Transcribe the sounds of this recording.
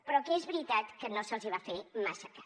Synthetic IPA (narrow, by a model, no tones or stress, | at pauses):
pɾɔkeezβɾit̪at̪kənosəlˠziβ̞afemasəkḁ